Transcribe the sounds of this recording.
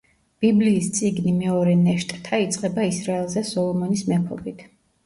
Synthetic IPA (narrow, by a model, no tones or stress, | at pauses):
b̥ibliːst̪sʼiɡnimɛɔɾɛnɛʃt̪ʼt̪ʰait̪sʼqʼɛbaisɾaɛlˠzɛsɔlˠɔmɔnismɛpʰɔ̰bit̪ʰ